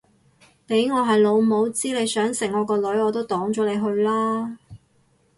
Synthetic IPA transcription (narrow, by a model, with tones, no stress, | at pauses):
pe˨˥jŋɔː˨˧ɦɐ˨jlo˨˧wmo˨˧wt͡siː˥le˨˧jsœː˨˥ŋsɪ˨˩ŋːɔː˨˧kɔː˧lɵ˨˥ɥɔː˨˧t̪o˥wt̪ɔː˨˥ŋt͡ʃɔː˨˥le˨˧jɦɵ˧ɥlaː˥